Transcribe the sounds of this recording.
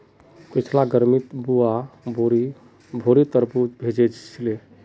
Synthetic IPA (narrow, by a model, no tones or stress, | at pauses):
kət͡ʃʰlaɡəɾmit̪buaboɾ | bʱoɾit̪əɾbubʱed͡ʒɛt͡ʃt͡ʃʰile